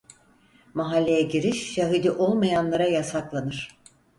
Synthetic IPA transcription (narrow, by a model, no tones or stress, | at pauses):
maɦalʲːe̞jɛɟiɾiʃːaɦɯd̪iʔo̞lˠmajanlˠaɾajasaklˠanɯɾ̥